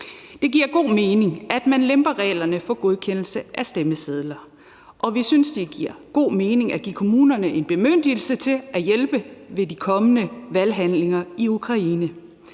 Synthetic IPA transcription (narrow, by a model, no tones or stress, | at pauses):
d̥e̝ɡ̥iɐ̰ɡ̥o̝̰ːme̝ːne̝ŋʔæd̥mænlemb̥ɐʁɛ̰ːlɐnəfɒ̽ɡ̥o̝ðˠkʰen̰l̩səʔæsd̥eməseð̞ˠlɐ | ʔɒ̽ʋisynsd̥iɡ̥iɐ̰ɡ̥o̝̰ːmeːne̝ŋæɡ̥ḭːkʰo̝muːnɐnəʔe̝nb̥e̝møn̰d̥il̩sət͡sʰe̝ʔæjelb̥əʋe̝dikʰɒ̽mənəʋælɦænle̝ŋɐiukʰʁɑ̈inə